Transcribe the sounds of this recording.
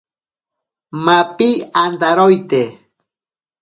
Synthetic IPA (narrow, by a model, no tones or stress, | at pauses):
mapiand̪aɾojt̪e